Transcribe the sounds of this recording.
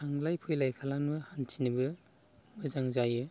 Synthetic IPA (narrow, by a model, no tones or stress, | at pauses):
aŋlajpʰɯjlajkʰalanmɯhantʰinɯbɯ | mɯzaŋzajɯ